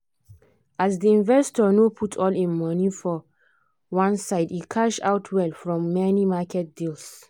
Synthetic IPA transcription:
azdiĩnvɛstɔnopʰutʰɔlĩnmʌnifɔ | wãnsaɪdikʰaʃa̰ʊtʰwɛlfɹɔ̃mːɛnimakʰɛt̚d̥ils

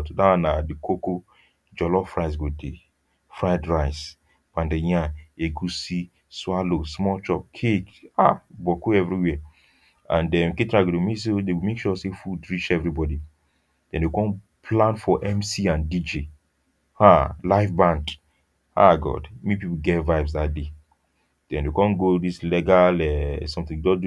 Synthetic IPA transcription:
ddaanadikoko | d͡ʒɔlɔfɹaɪs̬ɡode | fɹadɹaɪs | b̥ãndejãeɡusi | swalosmɔlt͡ʃɔp̚kʰekabɔkoɛvɾiwɛ | ã̰ndɛ̃mketɾaɡudomesedewimekʃuɔsefudɹit͡ʃɛvɾibɔdi | d̥ɛ̃ndekɔ̃n | pʰlãnfɔʔɛ̃msiãndid͡ʒe | halaɪfbãnd | ha̰ɡɔ̰dmipipuɡɛtvaɪbs̬ðat̚de | d̥ɛ̃ndekɔ̃nɡodislɛɡalɛsɔ̃mθĩŋdɔd

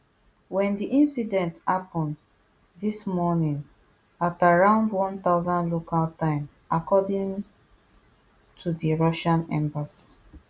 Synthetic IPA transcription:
wɛ̃ndiʔĩnsidɛ̃nthapɔ̃n | ðismɔnĩŋ | ataɹãʊ̃ndwɔ̃nt̪aʊzãnlokʰaltãɪ̃m | akɔdĩŋ | tʰudiɹɔʃãnɛ̰̃mbasḁ

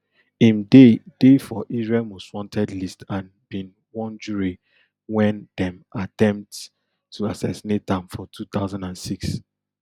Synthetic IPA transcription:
ĩnded̥efɔʔizɹɛlmɔswɔ̃ntʰɛdlistãn | bĩn | wɔ̃nd͡ʒuɹi | wɛ̃ndɛ̃matɛ̃mp̚tʰː | uasɛsinet̚dɛ̃mfɔtʰut̪aʊzãndãnsiks

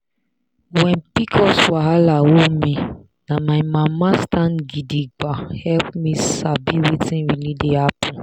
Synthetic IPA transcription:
wɛ̃npikʰɔswaɦalawomĩ | nãmajmãmãstãnɡidiɡ͡bahɛlpmĩsabiwetĩnɾilideapũ

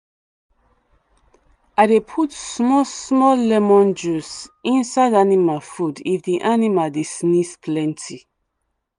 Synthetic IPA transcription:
adepʰutsmɔsmɔlɛmɔ̃nd͡ʒusĩnsaɪdanimafudifdiʔanimaldisnispʰlɛ̃ntʰi

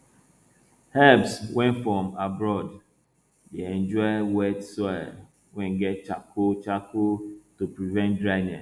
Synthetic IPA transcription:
hɛpswɛ̃ntfɹɔ̃mabɹɔd | deɛ̃nd͡ʒɔwɛtsɛ | wɛ̃nɡɛt̚t͡ʃakʰot͡ʃakotupɹivɛ̃ntdɹaɪnɛ

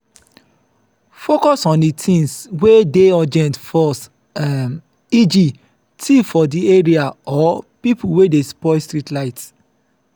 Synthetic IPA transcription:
fokɔsɔ̃nditʰĩnswedeɔd͡ʒɛ̃ntfɔs | ɛm | id͡ʒi | tʰifɔdieɹiaɔpipuwedespɔstɹitlaɪts

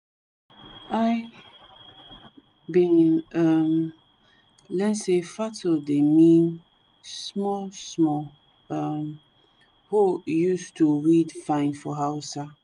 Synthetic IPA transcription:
aɪ | bĩnam | lɛ̃nsefatodemĩn | smɔsmɔ | m | hojustʰuɹidfãɪ̃ndfɔɦaʊsa

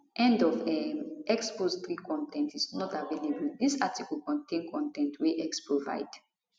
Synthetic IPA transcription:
ʔɛ̃ndɔvɛʔɛkspost̪ɹikʰɔ̃ntʰɛ̃ntisnɔtavelebəld̪isatikəlkɔ̃ntẽnkʰɔ̃ntɛ̃ntʰweʔɛkspɹova̰ɪd̥

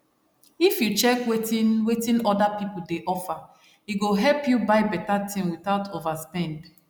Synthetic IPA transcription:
ifjut͡ʃɛkwetinwetĩnɔdapipudeʔɔfa | iɡoɦɛlpjubaɪbɛtatʰĩmwiθaʊtʰovaspɛ̃nd

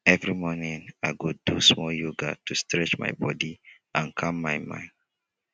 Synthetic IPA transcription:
ɛvɹimɔnĩŋaɪɡudusmɔljuɡa̰tʰustɹɛt͡ʃma̰ɪbɔdi | ãnkʰamːaɪmã̰ɪ̃nd

